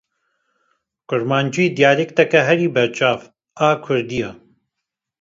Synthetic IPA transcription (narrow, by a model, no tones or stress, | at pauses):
kʊɾmaːnd͡ʒuiːd̪ijaːlekt̪ɛkɛɦɛɾiːbɛɾt͡ʃaːv | aːkʰʊɾd̪ijaː